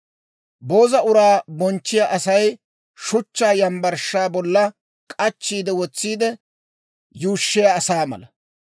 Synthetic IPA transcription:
bo̞ːzɐʔʊɾaːbɔnt͡ʃːɪjaʔɐsɐj | ʃʊt͡ʃːaːjɐmbɐɾʃːaːbɔlːɐ | kʼɐt͡ʃːiːd̪ɛwɔt͡sːiːd̪ɛ | juːʃːɪjaːsaːmɐ̰lɐ

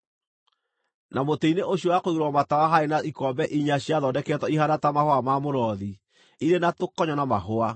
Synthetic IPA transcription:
namoteineʔoɕiowakoiɾwɔmatawaɦaenaʔikɔbɛʔiɲaɕiaðɔdɛkɛtwɔihaɾatamahoamamoɾɔði | iɾenatokɔɲɔnamaɦoa

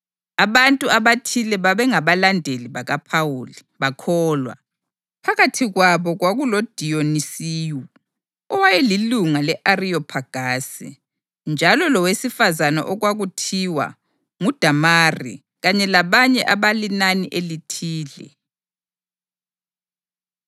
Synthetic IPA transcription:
aβantʼuaβatʰilɛβaβɛŋaβalandʱeliβaɣapʰawuli | βakʰɔːlwa̰ | pʰaɣatʰiɣwaβɔɣwaɣulod̥ʱijonisiːjɔ | ɔwajɛliluŋalɛʔariɔpʰaɡ̥ʱaːsḭ | nd͡ʒʱalɔlɔwesifazana̰ʔɔɣwaɣutʰiwa̰ | ŋud̥ʱamarḭ | ɣaɲɛlaβaɲɛʔaβalinanḭʔelitʰiːlɛ̰

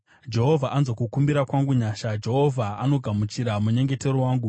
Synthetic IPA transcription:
d͡ʒe̞ɦo̞vʱaʔanzokukumbiɾakwaŋɡuɲaːʃad͡ʒe̞ɦo̞vʱaano̞ɡʱamut͡ʃiɾamuɲe̞ŋɡe̞te̞ɾowaːŋɡu

